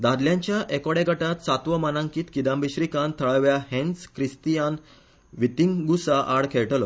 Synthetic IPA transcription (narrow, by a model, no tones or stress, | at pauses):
d̪ad̪ljãɲt͡ɕjaʔekɔɽeɡʱəʈat̪sat̪ʋəmanãŋkiːt̪kid̪ãmbiɕɾikãnt̪ʰəɭaʋjahẽnskɾist̪ijan | ʋit̪iŋɡusaʔaɽkʰeɭʈəlɔ